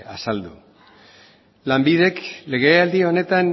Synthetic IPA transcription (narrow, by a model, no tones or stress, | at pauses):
a̰sald̪u | lambið̞e̞kle̞ɣ̞e̞ald̪io̞ne̞t̪an